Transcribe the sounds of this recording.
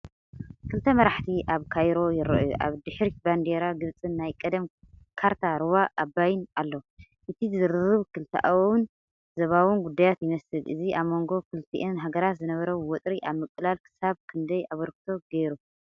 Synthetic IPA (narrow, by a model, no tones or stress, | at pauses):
kʰɨlt̪ʰɐmɐɾaħt̪ʰiʔaβkʰajɾo̞jɪɾɐ̰ʔʔa̰βd̪ɨħɾiband̪eɾaɡɨβt͡sʼɨnːajkʼɐd̪ɐm | kʰaɾt̪ʰaɾɨwaʔːbːajɪnalːo̞ | ʔɨt̪ʰizɨɾɨɾɨβkʰɨlt̪ʰɐ̰ʔawun | zɐβawɨnɡud̪ːajat̪jɪmɐsɨlʔɨ̰ziʔaβmo̞ŋɡo̞kʰɨlt̪ʰḭʔɨnɦaɡɐɾat̪zɨnɐβɐɾɐwwɔt̪ʼɾiʔaβmɨkʼlalkʰɨ̥saβkʰɨnd̪ɐjaβɐɾkt̪ʰo̞ɡeɾu